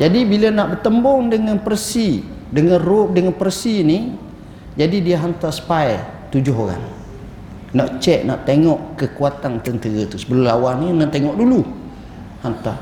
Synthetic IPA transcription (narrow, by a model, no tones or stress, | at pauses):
d͡ʒadibilənaʔbərt̪əmbɔŋdəŋanpərsi | dəŋanrodəŋanpərsini | d͡ʒadidiəɦant̪asə̥paj | t̪ud͡ʒʊɦoɾa̰ŋ | naʔt͡ʃɛʔ̚na̰ʔt̪eŋɔʔkəkuat̪ant̪ənt̪əɾət̪usəbəlʊmlawaninat̪eŋɔʔdulu | hant̪a